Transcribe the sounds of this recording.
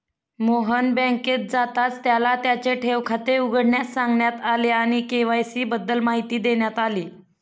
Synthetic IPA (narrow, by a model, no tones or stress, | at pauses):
moɦənbɛ̃ket̪̚d͡zat̪at͡st̪jalat̪jat͡ɕeʈʰeʋkʰat̪euɡəɽɳjassãŋɡɳjat̪aleaɽ̃ikeʋajsiːbəd̪ːəlmaɦit̪iːd̪eɳjat̪aliː